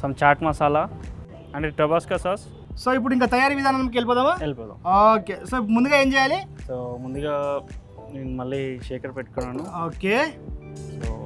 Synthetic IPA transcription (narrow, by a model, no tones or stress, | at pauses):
sɐmt͡ʃaːɾʈmaːsaːla | ɐɳʈeʈɐbaːskasaːs | soːip̬ːuɽiŋkaːt̪ɐjaːɾiːʋid̪ʱaːnɐmnɐmɐk̬elipɔːd̪aːmaːelipɔːt̪a̰moːkeːsoːip̬ːɽmund̪uɡaːeːɲd͡ʒɛːjaːlisoːmund̪uɡaː | neːnumɐlːiːʃeːkɐɾpeʈ̚kunːaːnuoːkeː | soː